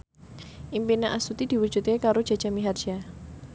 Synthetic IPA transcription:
ʔimpinaʔasut̪id̥̪i̤wud̥ʒ̥ṳt̪̚kekaɾod̥ʒ̥a̤dʒ̥amiɦar̥ʒ̥a

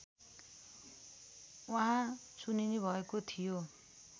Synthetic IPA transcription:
waɦã | suninebʱʌekot̪ʰijo

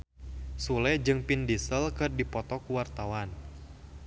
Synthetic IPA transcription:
sulɛd͡ʒɨŋpindisəlkɨrdipɔt̪ɔkuwart̪awan

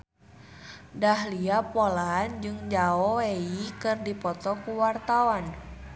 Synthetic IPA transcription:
dahliapolaːnd͡ʒɨŋd͡ʒaɔeikɨrdipɔt̪ɔkuwart̪awan

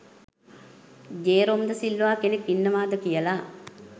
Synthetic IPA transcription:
d͡ʒeːɾomd̪əsilːuʋaːkenekːinːəʋaːd̪əkijəla

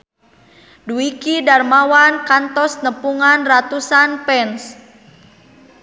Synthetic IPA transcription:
duikidarmawankant̪ɔsnəpuŋanrat̪usanpɛns

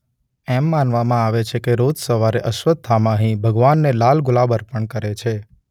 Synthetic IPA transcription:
ɛmːanʋamãaʋet͡ʃʰekeɾod͡ʒsəʋaɾeʔəʃʋət̪̚ːʰamãəɦĩbʱəɡʋanːelalɡʊlabəɾpəɳkəɾet͡ʃʰe

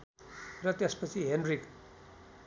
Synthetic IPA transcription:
rʌt̪espʌt͡sʰiɦenrik

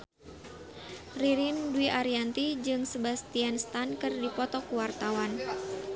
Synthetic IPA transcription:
riɾinduwiʔaɾiant̪id͡ʒɨŋsəbast̪ianst̪ankɨrdipɔt̪ɔkuwart̪awan

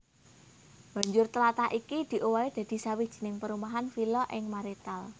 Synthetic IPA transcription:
b̥a̤ɲd͡ʒʊrt̪əlat̪aʔikid̪̥i̤ʔowaid̪̥ä̤d̪̥i̤sawid̥ʒ̥i̤nɪŋpəɾumaɦanfilɔʔɪŋmaɾit̪al

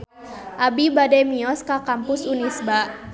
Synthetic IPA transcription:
ʔabibadɛmiɔskakampʊsunisbaʔ

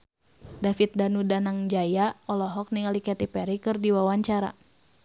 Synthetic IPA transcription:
dafit̪̚danudanaŋd͡ʒajaɔlɔɦɔk̚niŋalikɛt̪ipɛɾikɨrdiwawaɲt͡ʃaɾa̰

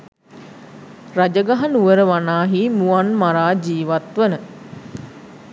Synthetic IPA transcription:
rad͡ʒəɡaɦanuʋəɾəʋanaːɦimuanmaɾaːd͡ʒiːʋat̪ʋənə

